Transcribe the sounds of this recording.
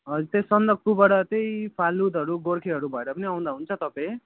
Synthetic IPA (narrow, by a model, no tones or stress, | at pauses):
ʌut̪esʌnd̪ʌɡ̚kubaɽʌt̪ejpʰalud̪ɦʌɾuɡoɽkʰeɦʌɾubʱʌeɾʌpʌniaw̃nd̪aɦunt͡sʰʌt̪ʌpãj